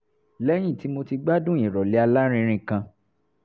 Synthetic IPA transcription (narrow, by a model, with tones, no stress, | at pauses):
lɛ˦j̃ĩ˦˨ti˨˦mo˧ti˧ɡ͡ba˦dũ˦˨ĩ˨ɾɔ˨li˨˦a˧la˦ɾ̃ĩ˧ɾ̃ĩ˧kã˧